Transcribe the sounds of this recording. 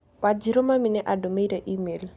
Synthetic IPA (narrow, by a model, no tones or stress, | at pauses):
wad͡ʒiɾomaminɛʔadomeɾaʔimel